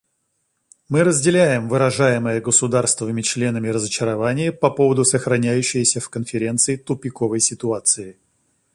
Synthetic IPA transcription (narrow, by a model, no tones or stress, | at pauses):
mɨɾəzʲdʲɪlʲæjɪmvɨɾɐʐajɪməjəɡəsʊd̪arst̪vɪvɨmʲɪt͡ɕlʲe̞nəmʲɪɾəzət͡ɕɪɾɐvanʲɪjəpɐpo̞vəd̪ʊsəxɾɐnʲæjʉɕːɪjəsʲəfkənfʲɪɾʲe̞nt̪sɨɪt̪ʊpʲɪkovəjsʲɪt̪ʊat̪sɨɪ